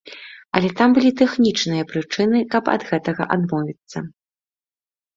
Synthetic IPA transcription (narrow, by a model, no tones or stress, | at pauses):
ɐ̰lʲɛt̪ambɨlʲit̪ɛxnʲit͡ʂnɨjɐpɾɨt͡ʂɨnɨkɐpɐ̰d̪ɣɛt̪ɐɣɐ̰ʔad̪mɔvʲit̪sːɐ